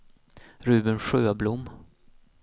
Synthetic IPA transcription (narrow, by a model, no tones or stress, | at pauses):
ɾʉ̟ːbənɧøːblʊmː